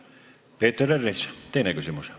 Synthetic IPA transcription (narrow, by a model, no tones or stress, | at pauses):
pe̞ːt̪ːeɾerːist̪e̞jnekysimus